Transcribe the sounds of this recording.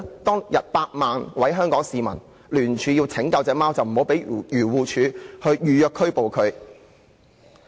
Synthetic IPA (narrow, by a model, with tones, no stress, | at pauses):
t̪ɔː˥ŋjɐ˨t̚paː˧t̚maː˨nwɐ˨˥jɦœː˥ŋkɔː˨˥ŋsiː˨˧mɐ̰˨˩n | lyː˨˩nt͡ʃʰyː˨˧jiː˧wt͡sʰɪ˨˥ŋkɐ˧wt͡sɛː˨˧maː˥wt͡sɐ˨wm̩˨˩ho˨˥wpe˨˥jjyː˨˩wuː˨˧t͡ʃʰyː˨˧hɵ˧ɥjyː˨jœː˨˧kʰːɵ˥ɥpo˨wkʰɵ˨˧ɥ